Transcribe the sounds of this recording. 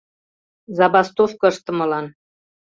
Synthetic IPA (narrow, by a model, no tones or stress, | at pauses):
zɑbɑst̪ofkɤʃt̪ɤ̆mɤ̆lɑn